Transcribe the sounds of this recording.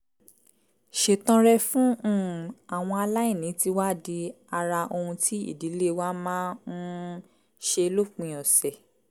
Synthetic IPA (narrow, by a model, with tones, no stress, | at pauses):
ʃe˨tɔ̃˧ɾɛ˦fũ˦˨a˨w̃ɔ̃˧a˧la˦ĩ˦˨nĩ˨˦ti˦wa˦˨di˧ | a˧ɾa˧ʔo˧hũ˧tʰi˦ḭ˦˨di˨˦le˦wa˦mãː˦n̩˦ | ʃe˧lo˦˨k͡pĩ˨˧j̃ɔ̃˨sɛ˨